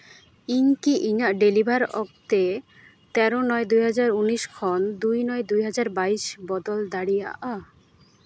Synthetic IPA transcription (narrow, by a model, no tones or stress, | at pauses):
iŋkiʔiŋaɖelibʱaɾɔ̰k̚t̪e | t̪ɛɾonɔed̪ujɦad͡ʑaɾuniʃkʰɔnd̪ujnɔed̪ujɦad͡ʑaɾbaiʃbɔd̪old̪aɽija̰ʔa